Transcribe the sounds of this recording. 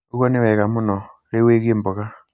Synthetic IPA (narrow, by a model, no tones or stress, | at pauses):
oɣwɔnewɛɣamunɔ | ɾeweɣembɔɣa